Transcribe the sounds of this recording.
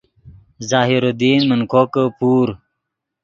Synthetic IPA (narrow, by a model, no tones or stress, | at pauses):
zaːɦiɾod̪iːnmənkʰokəpuːɾ